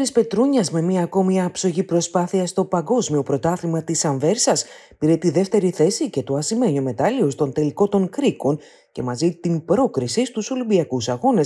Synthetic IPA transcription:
ɾispe̞t̪ɾuɲɐzme̞miɐːko̞miɐːpso̞ʝipɾo̞spɐθiɐst̪o̞pɐŋɡo̞zmio̞pɾo̞t̪ɐθimɐt̪isɐɱve̞ɾsɐs | piɾe̞t̪iðe̞ft̪e̞ɾiθe̞sice̞t̪oɐsime̞ɲome̞t̪ɐliost̪o̞nt̪e̞liko̞t̪o̞ŋkɾiko̞n | ce̞̰mɐzit̪imbɾo̞kɾisist̪uso̞limbiɐkusɐɣo̞ne̞s

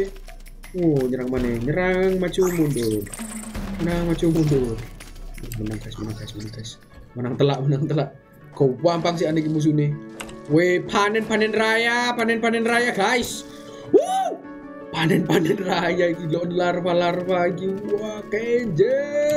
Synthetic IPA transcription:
ɔɲəɾaŋmanɛɲəɾaŋmat͡ʃumundu | ənaŋmat͡ʃumundur | mənaŋɡaismənaŋɡaismanaŋɡais | mənaŋt̪əlaʔmənaŋt̪əlaʔ | kɔpampaŋs̬ianik̬imus̬uniwepʰanɛnpanɛnrajapanɛnpanɛnrajaɡaɪs | wo | panɛnpanɛnrajaikilɔʔnilarfalarfaɡiakeɲd͡ʒɛ

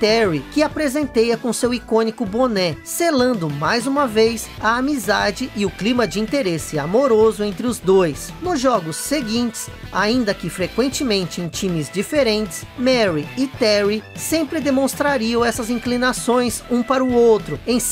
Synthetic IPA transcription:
t̪ɛɾikɪapɾezẽnt̪ejɐkõsewikõnikʊbonɛselɐ̃nd̪ʊmajzũmɐvejs | ɐamizad͡ʒɪʔɪʊklĩmɐd͡ʒɪĩnt̪eɾesɪamoɾozʊẽnt̪ɾɪʊzd̪ojs | nʊzʒɔɡʊsːeɡĩnt͡ʃɪ̥saĩnd̪ɐkɪfɾekwẽnt͡ʃɪmẽnt͡ʃɪẽj̃t͡ʃĩmɪzd͡ʒifeɾẽnt͡ʃɪ̥smɛɾiɪt̪ɛɾisẽmpɾɪd̪emõst̪ɾaɾiɐ̃w̃ɛsɐzĩŋklinasõj̃sũpaɾɐʊowt̪ɾʊẽj̃s

